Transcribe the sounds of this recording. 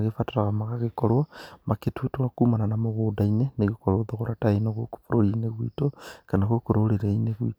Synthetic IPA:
ɣefataɾaɣamaɣaɣikolwamaketʰutumakumananamoɣudaineneɣikoloðoxoɾataenoɣoku̥fuɾolineɣwḭtokanaxokuɾoleɾaineɣuḭ

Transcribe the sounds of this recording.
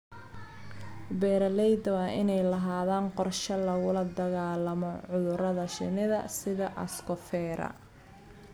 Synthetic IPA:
bɛːɾɐlɛjd̪ɐwɑːʔɪnɛjlɐɦaːðaːnqɔrʃɐlɐɣʊlɐd̪ɐɣaːlɐmɔʕʊðʊɾɐðɐʃɪ̰nɪðɐsɪðɐʔɐskɔfɛːɾɐ̰

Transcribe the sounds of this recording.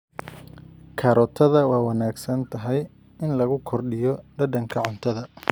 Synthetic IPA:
kʰɐɾɔt̪ʰɐðɐwɑːwɑnaːɡsɐnt̪ʰɐɦɛj | ɪnlɐɣʊkʰɔrɖɪjɔɖɐɖɐŋkʰɐʕʊnt̪ʰɐðɐ

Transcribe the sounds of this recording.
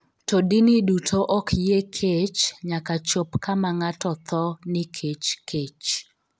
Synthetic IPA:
todinɪdutʰoʔɔkjekʰet͡ʃɲakat͡ʃopkamaŋatɔt̪ɔnɪkʰet͡ʃkʰet͡ʃ

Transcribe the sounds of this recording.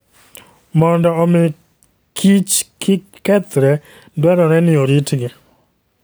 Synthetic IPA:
mɔndɔɔmɪ | kʰit͡ʃkʰɪ | kɛt̪ɾɛ | dwɛɾɔɾɛnɪoɾitɡɪ

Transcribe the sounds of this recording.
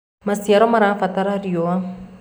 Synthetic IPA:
masiaɾɔmaɾaafat̪aɾarioa

